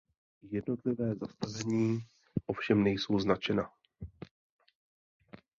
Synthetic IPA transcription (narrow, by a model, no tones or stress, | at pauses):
jɛdno̞t̪lɪvɛːzast̪avɛɲiː | ʔo̞fʃɛmnɛjso̞wznat͡ʃɛna